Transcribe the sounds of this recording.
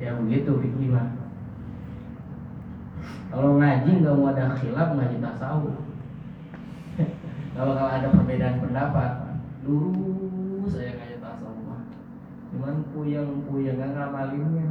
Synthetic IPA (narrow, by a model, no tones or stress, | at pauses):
jabəɡit̪ubiknimah | kaloŋad͡ʒiŋɡaʔmoadaxilap̚ŋad͡ʒit̪asau | kalokaloadapərbedaʔːnpəndapat̪̚duɾu | sajaŋad͡ʒat̪asaumah | t͡ʃumanpujaŋpujaŋɡaŋaamaliŋɲa